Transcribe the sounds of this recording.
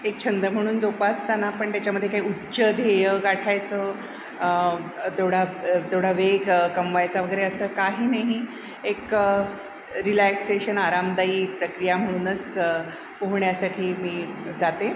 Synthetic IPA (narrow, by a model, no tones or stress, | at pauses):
ek̚t͡ɕʰənd̪ɾəm̤əɽ̃uːnd͡zoupast̪anapəɳt̪jat͡ɕjaməd̪ʱjekaɦiutːɕəd̪ʱejəɡaʈʰajt͡sə | ət̪eɽ̤at̪eɽ̤aʋeɡkəmʋajt͡saʋəɡəjɾeəsəːkaɦiːnaɦi | ek | ɾilækseɕənaɾamd̪aiːpɾəkɾijam̤əɽ̃uːnət͡s | poɦɳjasaʈʰiːmiːd͡zat̪e